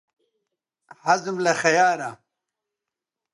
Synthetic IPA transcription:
hazmlɐxɐjaːɾa

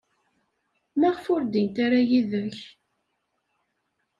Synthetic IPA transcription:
mæʁfʊɾd̪int̪aɾajiðəç

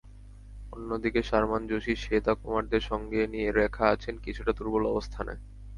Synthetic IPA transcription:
onːod̪ikeʃaɾmand͡ʑoʃiʃet̪akomaɾd̪eɾʃɔŋɡenijeɾɛkʰaat͡ɕʰenkit͡ɕʰuʈat̪uɾbolɔbost̪ʰana̰

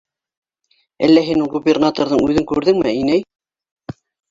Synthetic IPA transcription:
æ̰lːæɦinulˠɡubʲernat̪oɾðɤŋʉðɘŋkʉɾðɘŋmɘinæj

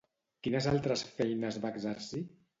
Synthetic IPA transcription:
kinəzalˠt̪ɾəsfɛjnəzβakzaɾsi

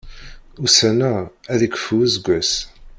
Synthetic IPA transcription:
usænææðikʷə̥fuzɡʷːæs

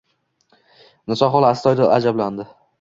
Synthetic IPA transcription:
nɪsɒɦɒlˠast̪ɒjd̪aa̰d͡ʒabland̪ɪ

